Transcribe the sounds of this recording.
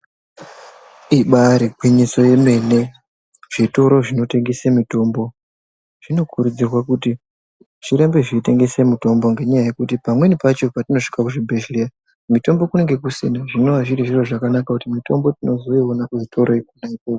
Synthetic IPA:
iɓaɾikwiɲiso̞je̞me̞ne̞ | ʐ̥ito̞ɾo̞ʐino̞te̞ŋɡesemito̞ːmbo̞ | ʐ̥ino̞kʰuɾud͡zirwakuti | ʐiɾembe̞ʐiite̞ŋɡesemito̞mbo̞ŋɡe̞ɲajaje̞kutipamwe̞nipat͡ʃo̞patino̞ʂi̥kakuʐibʱeʒlea | mito̞mbo̞kune̞ŋɡe̞kusḛnaʐino̞ʋaʐiɾiʐiro̞ʐakanakakutimito̞mbo̞tino̞zo̞ionakuʐitʰo̞ɾoikunaikoːko

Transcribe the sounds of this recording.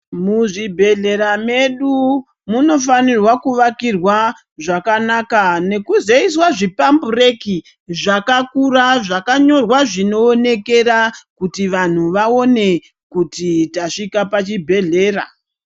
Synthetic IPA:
muʐibʱe̞ɮe̞ɾame̞ɗu | muno̞fanirwakuʋakirwa | ʐakanaːkane̞kuze̞iswaʐipambure̞ki | ʐakakuraʐakaɲo̞rwaʐino̞ːne̞ke̞rakutiʋan̤uʋao̞ne̞ | kutitaʂikapat͡ʃibʱe̞ɮe̞ːra̰

